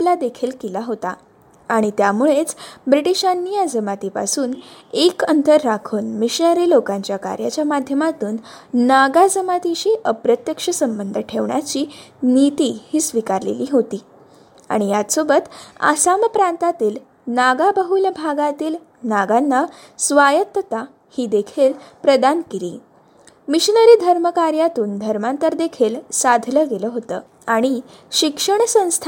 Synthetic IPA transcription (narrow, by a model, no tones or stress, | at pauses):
plad̪ekʰiːlkilaɦot̪aː | ɽ̃it̪jamuɭet͡sbɾiʈiɕanːijad͡zəmat̪ipa̰suːnekənt̪əɾːakʰuːnmiɕnəɾilokãɲt͡ɕjaka̰ɾjat͡ɕjamad̪ʱjəmat̪uːnːaɡad͡zəmat̪iɕiːʔəpɾət̪jəkʂəsəmbənd̪ʱəʈʰeʋɳja̰t͡ɕiːnit̪ihiːsʋikaɾlḛliːɦot̪iː | a̰ɽ̃ijat̪sobət̪a̰saməpɾant̪at̪iːl | naɡabəɦulbʱaɡat̪iːl | naɡanːa | sʋajət̪ːət̪a | hiːd̪ekʰeːlpɾəd̪ankiɾḭː | miɕinəɾiːd̪ʱəɾməkaɾjat̪uːnd̪ʱəɾmãnt̪əɾd̪ekʰeːlsad̪ʱləɡeləːɦot̪ə̰ː | aɽ̃i | ɕikʂəɳsə̃w̃st̪ʰ